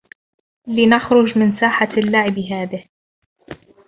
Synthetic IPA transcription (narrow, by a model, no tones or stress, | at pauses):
lɪnaxɾʊd͡ʒmɪnsaːħalːaʕɪbɦaːðɪh